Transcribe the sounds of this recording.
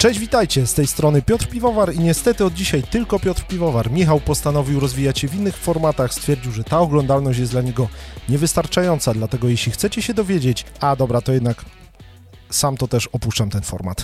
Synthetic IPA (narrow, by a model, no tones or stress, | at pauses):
t͡ʂɛʑd͡ʑvʲit̪ajt͡ɕɛst̪ɛjst̪ɾɔnɘpʲjɔt̪ɾpʲivɔvaɾiɲɛst̪ɛt̪ɘɔd̪̚d͡ʑiɕajt̪ɘlkɔpʲjɔt̪ɾpʲivɔvaɾmʲixawpɔst̪anɔvʲiwɾɔzvʲijat͡ɕɕɛvʲinːɘxfɔɾmat̪axst̪fʲjɛɾd͡ʑiwʐɛt̪aɔɡlɔnd̪alnɔɕt͡ɕjɛsd̪laɲɛɡɔɲɛvɘst̪aɾt͡ʂajɔnt̪sad̪lat̪ɛɡɔjɛɕlʲixt̪sɛt͡ɕɛɕɛd̪ɔvʲjed͡ʑet͡ɕad̪ɔbɾat̪ɔjɛd̪nak | samt̪ɔt̪ɛʂɔpuʂt͡ʂamt̪ɛnfɔ̰ɾma̰t̪